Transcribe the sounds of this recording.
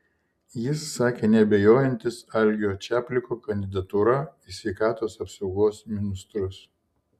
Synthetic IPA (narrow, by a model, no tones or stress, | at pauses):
jɪsːɑːkʲeːnʲɛɐbʲɛjoːjɛnʲt̪ʲɪsɐlʲɡʲoːt͡ʃʲæːpʲlʲɪkoːkɐnʲd̪ʲɪd̪ɐt̪uɾɐisʲʋʲɛɪkɑːt̪oːsɐpsɒʊɡoːsmʲɪnʲɪst̪ɾʊs